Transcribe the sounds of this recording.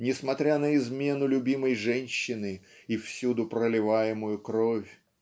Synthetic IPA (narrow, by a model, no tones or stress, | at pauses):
nʲɪsmɐt̪ɾʲanəɪzmʲe̞n̪ʊlʲʊbʲiməjʐɛnʲɕːɪnɨifsʲud̪ʊpɾəlʲɪvajɪmʊjʊkɾofʲ